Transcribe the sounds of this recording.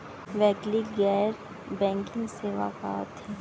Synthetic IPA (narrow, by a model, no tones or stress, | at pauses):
ʋɛːkliɡɛːɾ | bɛ̃ːŋkɪ̃ŋɡseːʋa̰ka̰ːt̪ɛː